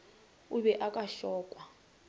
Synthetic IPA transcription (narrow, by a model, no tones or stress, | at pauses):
uβɛʔakʼaʃɔːkʼwa